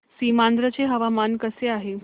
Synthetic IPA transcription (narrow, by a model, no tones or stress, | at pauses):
simand̪ɾət͡seɦəʋamankəseaɦe